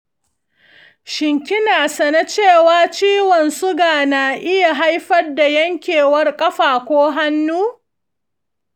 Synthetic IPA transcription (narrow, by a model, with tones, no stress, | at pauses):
ʃɪ˨ŋkʲɪ˦naː˨sɐ˨na˦t͡ʃeː˦˨waː˦t͡ʃiː˦wɔ˨nsʊ˦ɡaː˨naː˨ʔɪ˦ja˨ɦa˦jɸɐ˦rda˨jɐ˦ŋkʲeː˨wɐ˦rkʼɐ˦ɸaː˨kʷoː˦ɦa˦nːuː˦